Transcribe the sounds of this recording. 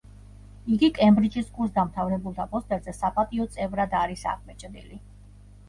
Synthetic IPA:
iɡikʼɛmbɾid͡ʒiskʼuɾs̬d̪amt̪ʰavɾɛbulˠt̪ʰapʼɔst̪ʼɛɾzɛsapʼat̪ʼiɔt̪sʼɛvɾad̪aɾisa̰ʁmɛt͡ʃʼd̪ḭli

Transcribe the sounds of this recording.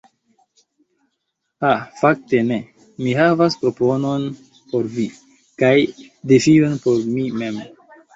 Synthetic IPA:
afak̚te̞ne̞ | miɦavaspɾo̞po̞no̞n | po̞ɾvi | kaj | defionpo̞ɾmime̞m

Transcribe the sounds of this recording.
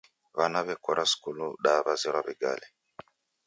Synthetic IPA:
βanaβɛkɔɾʔaskuluɗaβaziɾaβɛɡa̰lɛ

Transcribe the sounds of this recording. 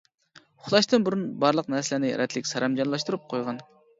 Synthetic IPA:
χlˠɑʃt̪ɨnbuɾunbɑɾlˠəqnɛɾslɪnɪɾʔɛt̪ʰlɪkʲsɑɾɑmd͡ʒɑnlˠɑʃt̪uɾup̚qʰojʁɑn

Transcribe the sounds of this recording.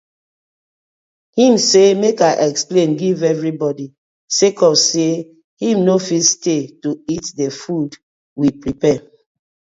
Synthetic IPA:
hĩmsemekaɪʔɛksplẽnɡivɛvɹibɔdi | sekɔse | hĩmnofistetuitdefud | wipɹipɛ

